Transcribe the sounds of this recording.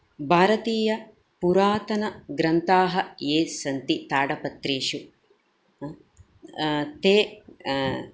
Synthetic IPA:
bʱaːɾɐt̪iːjɐ | puɾaːt̪ɐnɐɡɾɐnt̪aːɦɐeːsɐnt̪it̪aːɽɐpɐt̪ɾeːʃu | t̪eː

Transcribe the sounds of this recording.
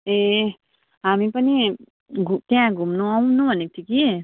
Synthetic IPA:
e | ɦamipʌni | ɡut̪jãɡʱumnuaw̃nubʌnet̪ʰiki

